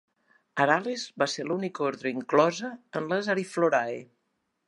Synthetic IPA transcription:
əɾalezbaselunikoɾðɾəiŋklɔzəənləzaɾifloɾae

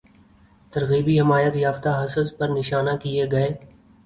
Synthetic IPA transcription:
t̪əɾɣiːbiːɦɪmaːjət̪jaːft̪aːɦəsəzpəɾnɪʃaːnaːkieːɡəeː

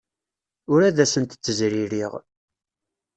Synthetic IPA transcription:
ʊɾæðæsənt̪ə̥t͡sːəzɾiɾiʁ

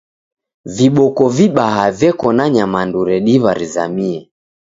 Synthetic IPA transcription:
viɓɔkɔviɓaɦavjɛkɔnaɲamanduɾɛɗiβaɾiza̰miɛ

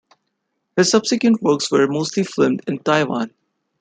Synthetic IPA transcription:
hɪz̥sʌb̥sɪkjə̃nʈwəːkswəɹmoːsʈliflɪ̃mdɪ̃ntaɪʋã̰n

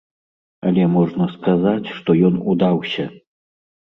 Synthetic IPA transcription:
ɐlʲɛmɔʐnɐskazat͡sʲʂt̪ɔjɔnud̪awsʲɐ

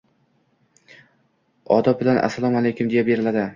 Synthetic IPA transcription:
ɒd̪ɒbɪlanʔa̰sːalˠɒmalejkʲʰʊmd̪ejabe̞ɾɪlad̪ɪ

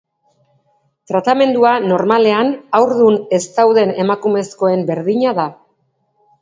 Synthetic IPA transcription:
t̪ɾat̪ame̞nd̪uano̞ɾmale̞anawɾðune̞st̪awðe̞ne̞makume̞sko̞e̞mbe̞ɾðiɲaða

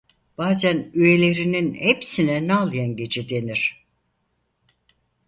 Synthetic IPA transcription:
b̥aːzænyje̞lʲe̞ɾininhepsinɛnɛalˠɯjanɟe̞d͡ʒɛd̪e̞niɾ̥

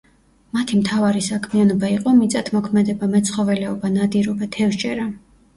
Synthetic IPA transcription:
mat̪ʰimt̪ʰavaɾisakʰmianɔbaiqʼɔmit̪sʼat̪ʰmɔkʰmɛd̪ɛbamɛt̪sʰχɔvɛlɛɔbanad̪iɾɔbat̪ʰɛvʃt͡ʃʼɛɾa

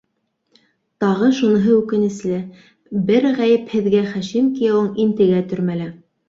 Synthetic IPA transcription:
t̪ɑʁɤʃunɤ̆ɦɤʉkɘ̆nɘ̆slɘ | bɘɾʁæjɘphɘ̆ðɡæχæʃimkijɑwɤɴint̪ɘ̆ɡæt̪ɵ̆ɾmælæ

